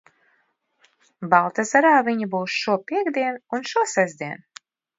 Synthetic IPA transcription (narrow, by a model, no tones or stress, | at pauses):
balˠt̪azaɾaːviɲibuːsʃuɔpʲiɛɡd̪iɛnunʃuɔsɛzʲd̪ʲiɛn